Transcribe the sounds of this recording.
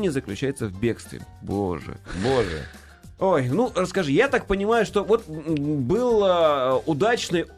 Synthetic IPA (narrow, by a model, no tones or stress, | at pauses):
nʲɪzəklʲʉt͡ɕæjɪt̪səvbʲe̞kst̪vʲɪ̰ɪ̰bo̰ʐɨ̰boʐɨ̰ | ojnurəskɐʐɨjat̪ak̚pənʲɪmajʊʂt̪o̞vo̞t̪bɨlˠəʊd̪at͡ɕnɨj